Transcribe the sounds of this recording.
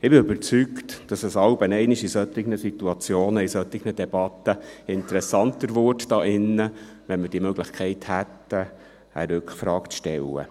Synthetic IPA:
ɪbɪøbəɾt͡syktd̥ɑsəsɑlbənɛɪnɪʃisœt̪ːɪɡnəsit̪uɑt͡sjoːnəisœt̪ɪɡnədɛbɑt̪ːəɪnt̪əɾɛsɑnt̪əɾvʊtd̥ɑːʔɪnːə | ʋɛnmɪrd̥iəmøɡlɪχkʰχɛɪthæt̪ə | æ̰ɾʏkχfɾɑːkt͡sʃtɛ̰lːə̰

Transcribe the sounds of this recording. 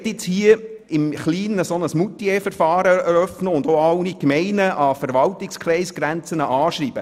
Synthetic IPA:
tɪt͡shiə | ɪmχliːnəsɔnəsmutiɛfəɾfɑːɾəɛɾœfnəʊndoɑlnikmɛɪnəʔɑfəɾʋɑltɪkskχɾɛɪsɡ̥ɾænt͡sənəʔɑːʃɾiːb̥ə

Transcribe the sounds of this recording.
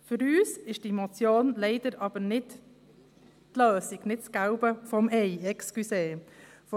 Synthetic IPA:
fʏɾyːsɪʃdimot͡sjoːnlɛɪd̥əɾʔɑb̥əɾnɪt | tløːsiɡ̥nɪtt͡sɡ̥aʊbəfɔmɛɪɛkskyseː | f

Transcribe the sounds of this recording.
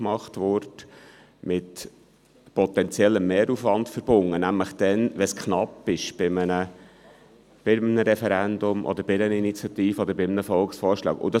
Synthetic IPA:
mɑχtʋʊɾt | mɪt | pɔt̪ɛnt͡sjɛlːəmːeːɾufʋɑndfəɾb̥ʊnːənæmləχd̥ɛnʋɛskχnɑpːɪʃb̥ɪmənə | b̥ɪmnəɾɛfɛɾænd̪ʊmʔɔ̰d̪əɾbɪnəninit͡sjɑt̪iːfəɔd̪əɾbɪmnəfɔlksfɔːɾʃlɑ̰ːkʊ̰d̪ɑ

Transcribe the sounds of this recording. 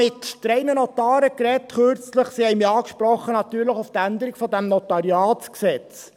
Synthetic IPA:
ɪtt̪ɾɛɪnənɔt̪ɑːɾəkɾɛtχøɾt͡sləχsihɛɪmiɑːkʃpɾɔχːənɑt̪yːɾləχʊft̪ænd̪əɾiɡfɔd̪æmnɔtɑɾjɑːtsksɛt͡s

